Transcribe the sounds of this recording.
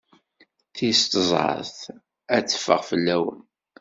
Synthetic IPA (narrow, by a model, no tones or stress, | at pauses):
θist̪əzˤʕə̰θ | æt͡sːə̥fːə̰ʁfəlːæwə̰n